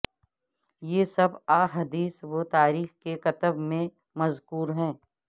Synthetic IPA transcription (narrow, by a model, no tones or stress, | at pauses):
jeːsɐbaːɦɐd̪iːswot̪aːɾiːxkeqɐt̪əbmẽ | mɐzkuːɾɦɛ̃ː